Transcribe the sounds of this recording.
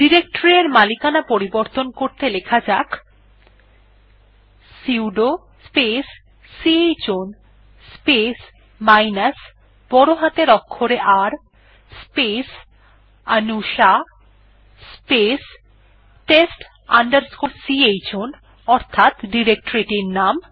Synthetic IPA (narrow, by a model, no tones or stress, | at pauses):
ɖiɾek̚ʈoɾieɾmalikanapoɾiboɾt̪onkoɾt̪elekʰad͡ʑak | siwɖo | spesː | iejt͡ɕon | spes | majnas | b̥ɔɾoɦat̪eɾɔkʰːoɾeʔaɾ | spes | anuʃa | spes | ʈesʈ | aɳɖaɾskoɾsiejt͡ɕon | ɔɾt̪ʰat̪ɖiɾek̚ʈoɾeʈiɾnam